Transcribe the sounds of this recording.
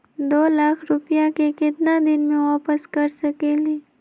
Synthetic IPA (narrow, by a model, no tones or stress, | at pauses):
d̪oːlaːkʰɾʊpijakekɪt̪nad̪ɪnmẽʋaːpəskɐɾsɐkeːliː